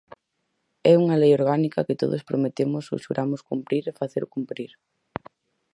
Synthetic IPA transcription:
ɛuŋalejoɾɣ̞anikɐkɪt̪o̰ðospɾomet̪emʊsʊ̰ʃuɾʔamʊskumpɾiɾefaθeɾʊkumpɾiɾ

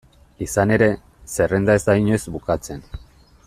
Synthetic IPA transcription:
isane̞ɾe̞ | se̞re̞nd̪aezd̪aiɲo̞zbukat͡se̞n

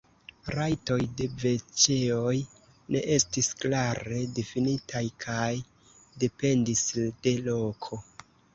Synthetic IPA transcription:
ɾajto̞jde̞ve̞t͡ʃe̞o̞j | ne̞̰ʔe̞stisklaɾe̞definitʰajkʰaj | de̞pe̞ndisd̥e̞lo̞kʰo̞

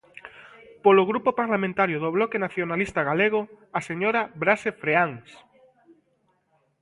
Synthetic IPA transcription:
poloɣɾupopaɾlamẽnt̪aɾjʊðoβlɔkenaθjonalist̪aɣaleɣ̞o | aseɲoɾabɾasefɾeaŋs

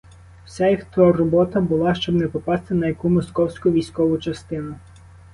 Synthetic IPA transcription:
wsʲajixt̪ɔrɔbɔt̪ɐbʊlˠɑʃt͡ʃɔbnɛpɔpɑst̪ɪnɐjɐkumɔskɔwsʲkʊʋʲijsʲkɔʋʊt͡ʃɐst̪ɪnʊ

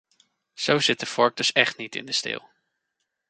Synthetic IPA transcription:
z̥owzɪt̚dəfɔɹk̚d̥ɵsɛχtnitɪ̰ndəstɪ̰ːlˠ

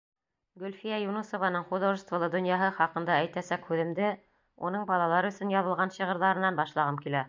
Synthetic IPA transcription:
ɡɵ̆lʲfijæjunusŏvɑnɤɴχuðŏst̪vɤ̆lˠɤd̪ŏnjɑɦɤχɑqɤ̆nd̪ɑæjt̪æsækhʉðɘ̆md̪ɘ | unɤɴbɑlˠɑlˠɑɾɵ̆sɵnjɑðɤ̆lˠʁɑnɕɤ̆ʁɤ̆ɾðɑɾɤ̆nːɑnbɑʃlˠɑʁɤmkilæ

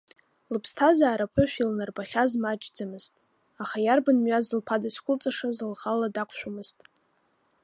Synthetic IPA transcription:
lɨpʰstʰazaːɾapʰʊʃʷᶣilnarbaχʲazmat͡ʃʼd͡zamɨz̥tʼ | aχajarbanmɥazlpʰadaskʷʰʼʊlt͡sʼaʂazlχaladakʷʰʼʃʷᶣamɨztʼ

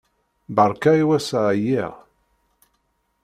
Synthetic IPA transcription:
bəɾˤkæiwæsʕjiʁ

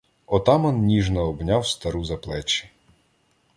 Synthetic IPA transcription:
ɔt̪ɑmɔnnʲiʒnɐɔbnʲawst̪ɐɾuzɐplˠɛt͡ʃi̥

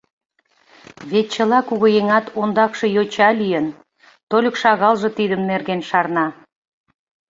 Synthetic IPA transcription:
βet̪̚t͡ɕə̆lɑkuɣə̆jeŋɑt̪ond̪ɑkʃɤ̆jot͡ɕɑlijən | t̪olʲə̆kʃɑɣɑlʒɤ̆t̪id̪əmnerɣenʃɑrnɑ

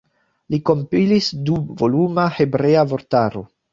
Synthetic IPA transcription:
liko̞mpilisduvolumahe̞bɾe̞avo̞ɾtaɾo̞̰

